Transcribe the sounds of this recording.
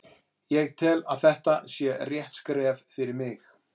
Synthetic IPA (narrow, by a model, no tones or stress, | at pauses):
jɛɣt̪ʰɪlaðθɛht̪asjɛrjɛht̪skɾɛːvfɪɾɪɾmɪx